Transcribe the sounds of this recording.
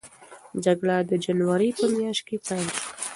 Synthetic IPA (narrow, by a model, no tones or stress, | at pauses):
d͡ʒaɡɽad̪əd͡ʒanwaɾipəmjɑʃt̪̚kepajlʃa